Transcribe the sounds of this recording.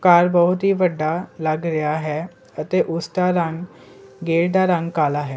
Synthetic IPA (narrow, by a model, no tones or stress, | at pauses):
kaːɾbəɦut̪ɦiːʋəɖalaɡɾəjaɦɛ | ət̪eʔusʈaɾãŋɡ | ɡeɽd̪aɾãŋɡkalaɦɛ